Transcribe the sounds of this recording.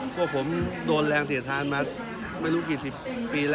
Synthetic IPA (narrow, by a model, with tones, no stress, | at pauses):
pʰu˥˩pʰo˩˦mdoː˧nlɛː˧ŋsi˨˩˦t̪ʰaː˧˥nmaː˧ | ma˥˩jɾuː˦˥kiː˨˩si˨˩pːiː˧lː